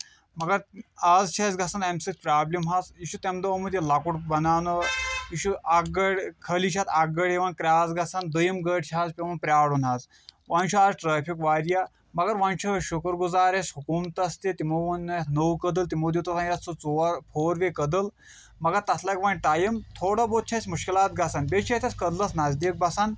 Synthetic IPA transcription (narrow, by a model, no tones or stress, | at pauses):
mɐɡɐɾaːzt͡ʃʰazɡasanemsikspɾaːblimɦasiʃut̪emd̪oʋmud̪elakuʈbɐnaːnəjiɕuaɡəɽʲkʰəliʃʰat̪ʰɐɡəɽeʋankɾʲaːzɡasand̪əjimɡəʈt͡ʃʰaːzpʲeʋɐnpɾʲaːɽunɦaz | ʋant͡ʃʰuaʈɾaːpʰikʋaːɾja | mɐɡɐɾʋɐnt͡ʃʰɐʃukɾɡuzaːɾesɦukumt̪ɐst̪et̪imoʋɐnɐnəwkəd̪əlt̪imoːd̪iwt̪ɐsanjat̪sut͡soɾpʰoːɾʋekəd̪əl | mɐɡɐɾt̪ɐt̪ʰlɐɡʲʋɐnʲʈajimt̪ʰoːɽɐbot̪̚t͡ʃʰasʲmuʃkilaːt̪ɡɐsanbet͡ʃʰet̪ʰʲɐskɐd̪lɐsnazd̪ik̚bɐsan